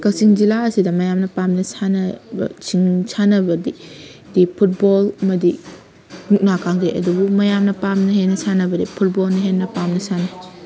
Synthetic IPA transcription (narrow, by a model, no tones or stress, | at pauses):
kɐsiŋzilaɐsidɐmɐjamnɐpamnɐsanɐbɐ̰sʰiŋsʰanɐbɐdi | dipʰut̚bolɐmɐdi | nuk̚nakʰaŋdeʔɐ̰dubumɐjamnɐpamnɐɦenːɐsanɐbɐdipʰut̚bolnɐɦenːɐpamnɐsanɐ